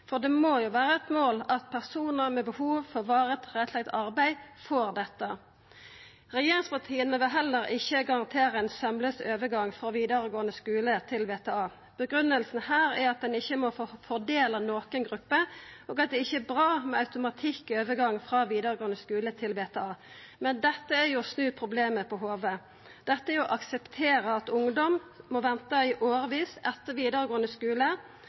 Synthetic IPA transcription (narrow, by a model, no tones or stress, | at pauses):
fɔʁd̪ɛmoːjʊʋæːʁəɛt̪moːlɑt̪̚pʰæʁsuːnəʁmɛbəhuːʋfɔʁʋɑːʁət̪ʁɛt̪ʰlɛɡt̪ɑʁbæɪfɔʁd̪ɛt̪ːə | ʁɛjeːʁɪŋspʰɑʁt̪ʰiːənəʋɪlɦɛlːəɾʔɪçːəɡɑʁɑnt̪ʰeːɾəɛnsɑmləsøːʋəɡɑŋfʁɑʋiːd̪əɾəɡoːənəskʉːlət̪ʰɪlʋeːt̪ʰeːɑː | b̥əɡʁʉnəlsn̩hæːʁæɑt̪̚d̪ɛnɪçːəmɔffɔʁd̪eːlənoːkənɡʁʉpːəʔoːɡɑt̪̚d̪ɛɪçːəɛbʁɑːmɛɑʉt̪ʊmɑt̪ʰɪkøːʋəɡɑŋːfʁɑːʋiːd̪əʁəɡoːənəskʉːlət̪ʰɪlʋeːt̪ʰɛɑː | mɛnd̪ɛt̪ːəæjʊsnʉːpʰʁʊbleːməpʰɔɦoːʋə | d̪̥ɛt̪ːəɛɔʔɑksəpt̪ʰeːʁəɑt̪ʊŋd̪ɔmmɔʋɛnt̪əɪʔoːʁəʋiːsɛt̪ːəʋiːd̪əɾəɡoːənəskʉːlə